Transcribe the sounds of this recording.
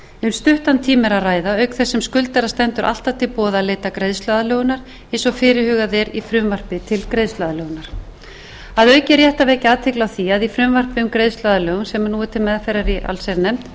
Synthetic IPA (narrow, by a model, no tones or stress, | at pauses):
ʏmst̪ʏht̪ant̪ʰiːmɪɾaðraːjðaœɥkθɛsːɛmskʏlt̪aɾast̪ɛnt̪ʏɾʔa̰l̥t̪avt̪ʰɪlpɔːðaðleːt̪akɾejðst̪lœðalœːɣʏnaɾ̥ | ejnsɔfɪːɾɪhʏːɣaðɛɾifɾʏmvar̥pɪt̪ʰɪlkɾejðst̪lœðalœːɣʏnaɾ̥ | aðœɥcɪɾjɛht̪aveːjcɪaːðt̪ʰɪklawθiaðifɾʏmvar̥pɪʏmkɾejðst̪lœðalœːɣʏnsɛmnuːɪt̪ʰɪlmɛðafɛjrːaɾiʔa̰lsɛɾnɛmt̪